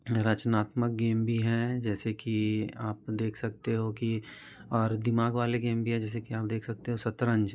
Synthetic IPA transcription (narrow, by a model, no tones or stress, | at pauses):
ɾət͡ʃnaːt̪mək̚ɡeːmbʱiɦɛ̃d͡ʒɛːsekiaːpd̪eːkʰsɐk̚t̪eɦoki | ɔːɾd̪ɪmaːɡʋaːleɡeːmbʱiɦɛ̃d͡ʒɛːs̬ekiaːp̚d̪eːkʰsɐk̚t̪eɦosɐt̪ɾə̃ɲd͡ʒ